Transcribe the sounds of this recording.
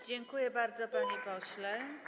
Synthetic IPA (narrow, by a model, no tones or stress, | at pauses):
d͡ʑɛŋkujɛbaɾd̪zɔpaɲɛkɔɕlɛ